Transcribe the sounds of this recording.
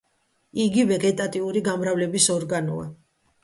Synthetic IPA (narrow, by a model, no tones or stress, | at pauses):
iɡivɛɡɛt̪ʼat̪ʼiuɾiɡamɾavlɛbisɔɾɡanɔ̰a̰